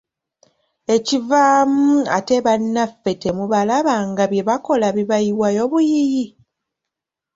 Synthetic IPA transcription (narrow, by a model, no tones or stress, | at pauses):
e̞civaːmuate̞βanːafːe̞te̞muβalaβaŋɡaβje̞βako̞laβiβajiwajo̞βujiji